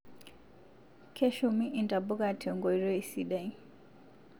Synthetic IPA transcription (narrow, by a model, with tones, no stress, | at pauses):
kʰɛ˦ʃɔmi˦ʔi˨nta˨bɔ˦ka˦tʰɛ˨ŋɡɔ˨i˨ɾɔ˦isiɗa˨i˦